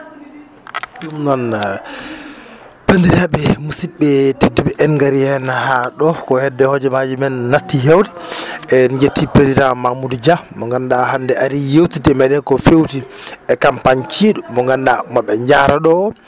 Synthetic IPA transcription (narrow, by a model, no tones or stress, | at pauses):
ɗumnɔn | pend̪iɾaɓɛmusit̚bɛtedːubɛʔɛnŋɡaɾijɛnahaɗɔkɔhɛdːɛhɔd͡ʒɛmad͡ʒimɛnːatːihewdiɛd͡ʒetʰːipɾesidãmamudd͡ʒamɔŋɡandahandɛʔaɾijewtitɛmadɛnkɔfewtiɛkampaɲt͡ʃiɗumɔŋɡandamɔɓɛɲd͡ʒaɾaɗɔ